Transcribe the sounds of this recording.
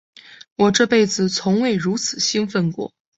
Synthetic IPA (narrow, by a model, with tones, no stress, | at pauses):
wɔ˨˩ʈ͡ʂɤ˥˧pe˥˩ɪd͡zɹ̩˨˩t͡sʰʊ˧˥ŋwe˥˩ɪɻu˧˥t͡sʰɹ̩˨˩ɕi˥nfə˥˧nkwɔ̰˥˩